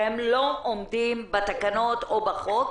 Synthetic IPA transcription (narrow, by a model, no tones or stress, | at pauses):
emloʔomd̪imbet̪akano̞t̪obaχok